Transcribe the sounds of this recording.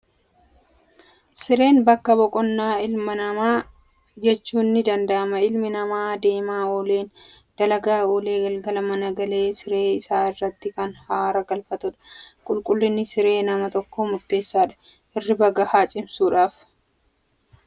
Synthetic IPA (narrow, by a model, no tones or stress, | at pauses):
sɪɾe̞ːnbɐkːɐbɔkʼɔnːaːɪlmɐnɐmaː | d͡ʒɛt͡ʃːuːnːɪd̪ɐnd̪ɐʔɐmɐɪlmɪnɐmaːd̪e̞ːmaːoːleːn | d̪̥ɐlɐɡaːoːle̞ːɡɐlɡɐlɐmɐnɐɡɐleːsɪɾeːɪsaːɪrːɐt̪ːɪkɐnhaːɾɐɡɐlfɐt̪ʊᶑɐ̥kʼʊlkʼʊlːɪnːɪsɪɾe̞ːnɐmɐt̪ɔkːomʊɾt̪e̞ːsːaːᶑɐ̥ | ʔɪrːɪbɐɡɐhaːt͡ʃʼɪmsuːᶑaːf